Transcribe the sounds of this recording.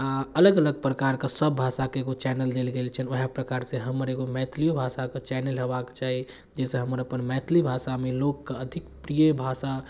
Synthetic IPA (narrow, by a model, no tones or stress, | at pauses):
aələɡələɡ̚pɾəkaɾkesəbːʱasakeeɡot͡ʃɛnəld̪elɡelt͡ʃʰənʋəɦepɾəkaɾsẽɦəməɾeɡomɛt̪ʰlijobʱasaket͡ʃɛnəlɦebakt͡ʃaɦi | d͡ʒesẽɦəməɾəpənmɛt̪ʰlibʱasamelokːeəd̪ʱikpɾijəbʱasa